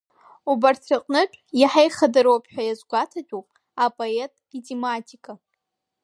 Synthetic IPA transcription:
ubart͡sʰaqʼnɨpʷʼiħajχadaɾowpʰʼħʷᶣajazɡʷatʰatʲʷʼupʼ | apʼoetʼitʰʼematʰikʼa

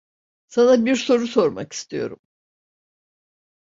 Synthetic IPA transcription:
sanabiɾso̞ɾuso̞ɾma̰ki̥st̪ʰijo̞̰ɾṵm

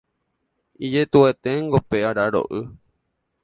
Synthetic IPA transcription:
id͡ʒet̪uet̪eŋɡopeaɾaɾo̰ʔɨ

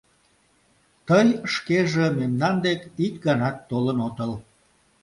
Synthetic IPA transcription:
t̪əjʃkeʒememnɑnd̪ekik̚ɡɑnɑt̪ːolənot̪əl

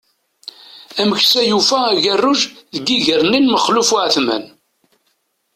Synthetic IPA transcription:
æməçsæjufææʝərːʊʒðəɡiʝəɾninməχlufʊʕθmæ̰n

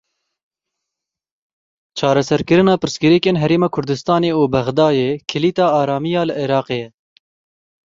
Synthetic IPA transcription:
t͡ʃʰɑːɾɛsɛɾkɨɾɨnɑːpɨɾsɡɨɾikeːnɦɛɾeːmɑːkʰʊɾd̪ɨst̪ɑːneːuːbɛɣd̪ɑːjeːkʰɨliːt̪ɑːɑːɾɑːmijɑːlɨʔɪɾɑːqeːjɛ

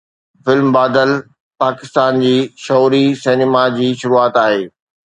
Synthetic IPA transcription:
fɪlmbaːd̪əl | paːkɪst̪aːnd͡ʑiːʃɔːɾiseːnɪmad͡ʑiːʃʊɾuaːt̪aːɦeː

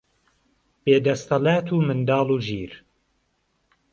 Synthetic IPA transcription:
b̥eːd̪ɐst̪ɐlaːt̪ʰuːmɨnd̪ɑːluːʒiːɾ

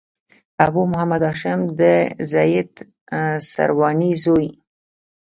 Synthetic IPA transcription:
abumʊhamad̪ɑʃɪmd̪əzajɪd̪ | sa̰ɾwɑnizoj

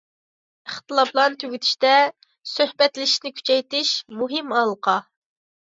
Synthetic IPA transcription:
əχt̪ɨlˠɑplˠɑnt̪ʰøɡʲyt̪ʰi̥ʃt̪ɛ | søhbɛt̪lɪʃnɪkʲʰy̥t͡ʃʰɛjt̪ɪʃmuɦɪmɑlˠqʰɑ

